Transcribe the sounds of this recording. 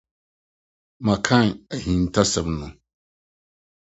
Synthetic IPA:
mã˨kʰã˦˨næ˨hĩ˨n˨tʰa˦sɛ˨mnʊ̃˨

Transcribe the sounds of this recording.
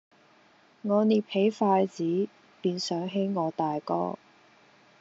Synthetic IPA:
ŋɔː˨˧niː˨˩pʰe˨˥jfaː˧jt͡siː˨˥ | piː˧nsœː˨˥ŋɦe˨˥jŋɔː˨˧t̪aː˨jkɔ̰ː˥

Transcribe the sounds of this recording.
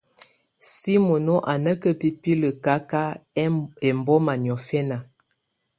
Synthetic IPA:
si˦mo˨no˦ʔa˨nə˦kə˦pi˦pi˦lə˨ka˦ka˦ | ɛ˨mbɔ˦ma˨njɔ˨fɛ˦na˨

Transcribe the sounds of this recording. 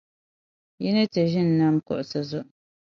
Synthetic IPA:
jɛ˦nɨ˦tɨ˨ʒɪ˦n̩ː˨a˦m˦kɔ̰˨ʔʊ˨sɨ˨zʊ˦ʔ

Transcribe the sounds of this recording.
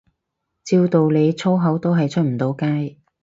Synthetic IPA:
t͡siː˧wt̪o˨wle˨˧jt͡sʰo˥wɦɐ˨˥wt̪o˥wɦɐ˨jt͡ʃʰɵ˥t̚m̩˨˩t̪o˨˧wkaː˥j

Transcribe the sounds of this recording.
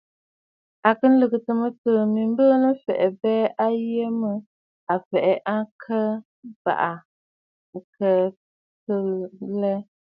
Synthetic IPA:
a˨kɨ˦n˦lɨ˨ɡɨ˨tɨ˨mɨ˦tɨ˨mi˨m˦bə˦nɨ˦fɛ̰˨ʔɛ˨bɛː˦ʔa˦je˦mɨ˦ | a˨fɛ˨ʔɛ˨ʔa˦kʰə˦ | b̥a̰˨ʔa˨ | kə˦ | tɨ˦lɛ˦

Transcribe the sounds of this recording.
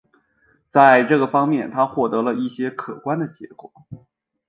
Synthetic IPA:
t͡sa˥˧ɪʈ͡ʂɤ˥˩ɡə˩fɑ˥ŋmjɛ˥˩nt̪ʰa˥xwɔ˥˩t̪ɤ˧˥lə˧i˥˩ɕjɛ˥kʰɤ˨˩kwa˥nd̪ə˨t͡ɕjɛ̰˧˥kwɔ˨˩˦

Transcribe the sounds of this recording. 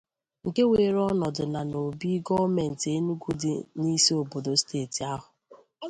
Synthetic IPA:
ŋ̩˨ke˦weː˨ɾɔ˦nɔ˨dʊ˨na˨no˨bi˦ɡɔ˦me˨n̩˨te˦nu˦ɡu˦dɪ̰˨ni˦si˦o˨bo˨do˨steː˦˨ti˨a˦ɦʊ˨

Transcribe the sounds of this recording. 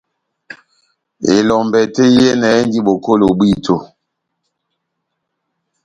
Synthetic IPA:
e˨lɔ˨mbɛ˨te˦je˦nɛ˨e˦n˦ɡi˦ɓo˨ko˦lo˨bwi˦˨tʰo˦˨

